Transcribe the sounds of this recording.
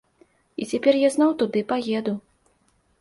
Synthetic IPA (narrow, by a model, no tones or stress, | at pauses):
it͡sʲapʲɛrjaznɔwt̪ud̪ɨpajɛd̪u